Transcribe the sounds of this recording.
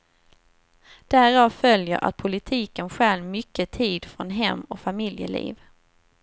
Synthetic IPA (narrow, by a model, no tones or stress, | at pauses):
d̪̥æːɾɑːvfœljə̰ɾʔa̰t̪̚pʰʊlɪt̪ʰiːkənɧɛlmʏkːət̪ʰiːd̪fɾɔnɦɛmːɔkfamɪljə̰lḭːv